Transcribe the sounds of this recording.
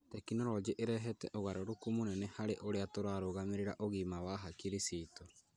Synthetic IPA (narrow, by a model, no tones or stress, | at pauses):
tɛkinɔɾɔd͡ʒeʔeɾɛɦɛtɛʔoɣaɾoɾokumonɛnɛhaɾeʔoɾeatoɾaɾoɣameɾeɾaʔoɣimawaɦakiɾisitɔ